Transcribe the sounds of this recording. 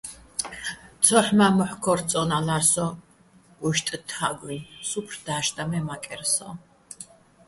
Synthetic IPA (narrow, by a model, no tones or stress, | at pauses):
t̪ʰɔħmamɔħkʰɔɾt͡sʼɔnalaɾsɔ | uʃt̪ʼt̪ʰaɡinsupʰrd̪̥aːʃt̪ʼamɛmakʼɛɾsɔ̰